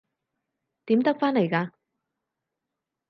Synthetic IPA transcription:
t̪iː˨˥mt̪ɐ˥k̚faː˥nle˨˩jkaː˧

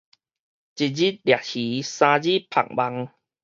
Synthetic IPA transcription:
t͡ɕi˨˩t̚d͡ʑi˦˥t̪̚lja˨˩t̚hi˨˦sã˧d͡ʑi˦pʰa̰˨˩ŋ̚ba˧ŋ

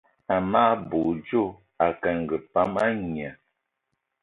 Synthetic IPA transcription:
a˨maː˦bo˨d͡ʒo˦˨ | a˨kɛ˨ŋ̩˨ɡə˨pa˨˦ma˦ɲi˨a˨

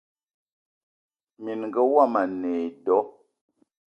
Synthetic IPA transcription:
mi˨nŋ˨ɡə˦wa˦˨ma˨nɛ˨dɔ˨˦

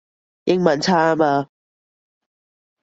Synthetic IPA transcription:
jɪ˧˥ŋmɐ˨nt͡sʰaː˥˧maː˧

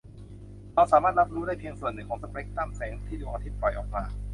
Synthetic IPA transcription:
ɾa˧wsaː˨˦maː˥˩t̪̚ɾa˦˥p̚ɾuː˦˥ɾaː˥˩jpʰi˧ŋsu˨˩ənːɯ˨˩ŋkʰɔː˩˦ŋsa˧pɾe˦˥k̚t̪aː˥˩msɛː˩˦ŋt̪ʰiː˥˩d̪uː˨˩ʔa˧t̪ʰi˦˥t̪̚pɾɔ˨˩jʔɔː˨˩k̚maː˧

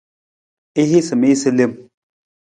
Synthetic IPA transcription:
e˦ɦi˦sɨ˨me˦sɨ˦le˦˨m

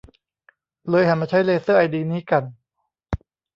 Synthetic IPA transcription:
lɤː˧jha˨˩˦nmaː˧˩t͡ɕʰa˦˥jleː˧sɤː˥˩ʔa˧jdiː˧niː˦˥ka˧n

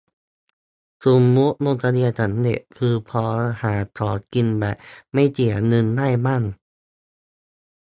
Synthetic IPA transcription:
su˨˦mːu˦˥ʔno˧˥˨nt̪a˧ni˧˩ɐt͡ɕʰa˨˦ndḛ˨˧˩ʔkʰɯː˧pʰɔː˧haː˨˩˦t̪ʰɔː˨˩˦ki˧nbɛː˨˩pma˧˥˩jt͡ɕi˨˩ənɯ˧nːaː˥˨jma˥˨n

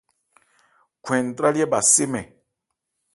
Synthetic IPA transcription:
kʰwɛ̃˨n˨tɾa˦li˦ɛ˦ba˨se˦mɛ˨

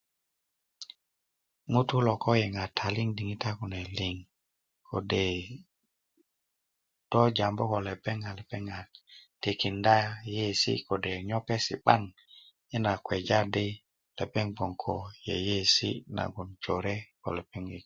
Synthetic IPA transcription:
mu˦t̪u˦lo˨ko˦je˨ŋa˨tʰa˨li˦ŋdi˨ŋi˦ta˦ku˨ne˨li˨ŋ | kʰo̰˨de˨ | d̥o˦d͡ʒa˨mbo˦ko˨le˨pe˦ŋa˨le˨pe˦ŋa˨te˨ki˨nda˦je˦˨sḭ˦ko˨de˨ɲo˦pe˦sḭ˨ɓa̰˦ŋ | i˦na˨kwe˨d͡ʒa˦de˦ | le˨pe˦ŋbo˨ŋkʰo˨je˨je˦sḭ˦na̰˨ɡu˨nt͡ʃo˨ɾe˦ko̰˨le˨pe˦ŋi˨

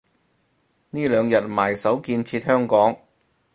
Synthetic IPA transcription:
niː˥lœː˨˧ŋjɐ˨t̚maː˨˩jsɐ˨˥wkiː˧nt͡sʰiː˧t̚hœː˥ŋkɔː˨˥ŋ

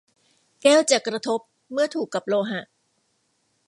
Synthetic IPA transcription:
kɛː˥˩wt͡ɕaː˨˩kɾa˧t̪ʰo˦˥p̚ | mɯ˥˩ɐt̪ʰuː˨˩kːa˨˩p̚loː˧ɦa˨˩ʔ

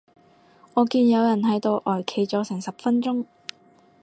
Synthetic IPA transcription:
ŋɔː˨˧kiː˧njɐ˨˧wjɐ˨˩nhɐ˨˥jt̪o˧wʔɔː˨˩jkʰe˨˩jt͡sɔː˨˥sɪ˨˩ŋsɐ˨p̚fɐ˥nt͡sʊ˥ŋ

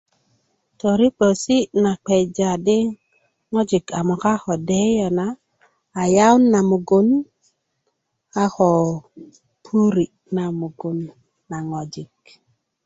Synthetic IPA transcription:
to˨ɾi˦k͡po˨si˦na˨k͡pe˨jd͡ʒa˨di˦ | ŋo˦d͡ʒi˨ka˨mo˨ka˦xo˨de˦jo˨naː˦˨ | ja˦wnːa˨mu˨ɡu˦n | a˦xo˨ | pʰu˦ɾi˨ | na˨mu˨ɡu˨˦nː | a˨ŋo˨d͡ʒi˨k̚

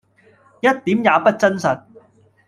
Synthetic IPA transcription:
jɐ˥t̚t̪iː˨˥mjaː˨˧pɐ˥t̚t͡sɐ˥nsɐ˨t̚

